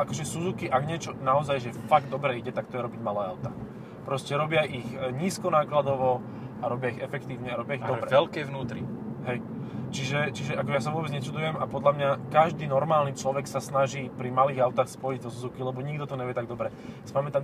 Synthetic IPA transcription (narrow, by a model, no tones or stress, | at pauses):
akɔʒɛsuzukiʔaɡɲɪɛt͡ʃɔnaɔzajʒɛfaɡ̚d̪ɔbɾɛiɟɛt̪ak̚t̪ɔjɛɾɔbiɟmalaːa̰wt̪a | pɾɔscɛɾɔbɪaʔiɣɲiːskɔnaːklad̪ɔʋɔ | aɾɔbɪaiɣɛfɛkt̪iːʊɲɛaɾɔbɪaiɣɔbɾɛɛlkɛjʋnuːt̪ɾḭɦɛj | t͡ʃiʒɛt͡ʃiʒɛʔakɔɛjas̬aʋʊɔbɛd͡zɲɛt͡ʃud̪ujɛmapɔd̪ʎamɲakaʒd̪iːnɔɾmaːlnit͡ʃlɔʋɛksasnaʒiːpɾimaliːɣaʊt̪aːxspɔjiɟd̪ɔsuzukilɛbɔɲiɡd̪ɔt̪ɔɲɛʋɛt̪aɡd̪ɔbɾɛ | spamɛt̪am